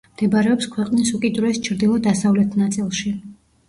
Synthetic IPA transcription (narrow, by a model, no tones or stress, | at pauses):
md̪̥ɛbaɾɛɔpskʰwɛqʼnisukʼid̪ɾɛst͡ʃʰɾd̪ilˠɔd̪asavlɛt̪ʰnat̪sʼilˠʃi